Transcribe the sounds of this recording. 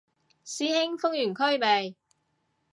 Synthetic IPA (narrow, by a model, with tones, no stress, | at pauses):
siː˥hɪ˥ŋfʊ˥ŋ̚jyː˨˩nkʰɵ˥ɥpe˨˧j